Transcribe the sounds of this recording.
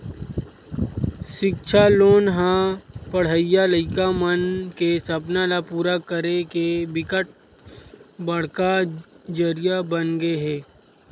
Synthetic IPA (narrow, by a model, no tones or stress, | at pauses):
ʃɪkt͡ʃʰaloːnɦãpəɽ̤əijaləɪkamənkesɐpnalapuːɾakəɾekebɪkəʈ̚ | bəɽ̤ka | d͡ʒəɾɪjabənɡeeɦɛː